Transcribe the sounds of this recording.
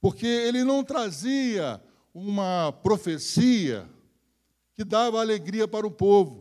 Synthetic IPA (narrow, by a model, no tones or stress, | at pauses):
poɾkeelɪnɐ̃w̃t̪ɾaziɐ | ũmɐpɾofesiɐ̰ | kɪd̪avɐaːleɡɾiɐpaɾʊpovʊ